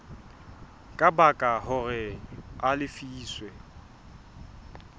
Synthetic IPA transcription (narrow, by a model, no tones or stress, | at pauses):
kʼabakʼahʊrɛalɪfiːswɛ